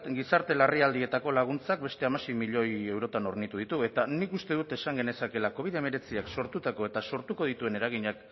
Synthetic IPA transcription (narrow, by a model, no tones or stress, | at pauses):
t̪ɡisaɾt̪e̞lariald̪ie̞t̪ako̞laɣ̞unt͡sak̚be̞st̪e̞amase̞jmiʎo̞je̞wɾo̞t̪ano̞ɾnit̪uðit̪ue̞t̪anikust̪e̞ðut̪e̞saŋɡe̞ne̞sake̞lako̞β̞iðe̞me̞ɾe̞t͡siakso̞ɾt̪ut̪ako̞e̞t̪aso̞ɾt̪uko̞ðit̪ue̞ne̞ɾaɣ̞iɲak